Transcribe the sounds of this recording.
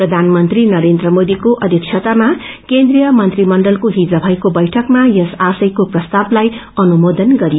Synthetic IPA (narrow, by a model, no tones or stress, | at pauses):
prʌd̪ʱanmʌnt̪rinʌɾend̪rʌmod̪ikoʔʌd̪ʱjʌkt͡ʃʰʌt̪ama | kend̪rijʌmʌnt̪rimʌɳɖʌlkoɦid͡zʌbʱʌjkobʌjʈʰʌkmajʌsasʌjkoprʌst̪ablaj | ʌnumod̪ʌnɡʌɾio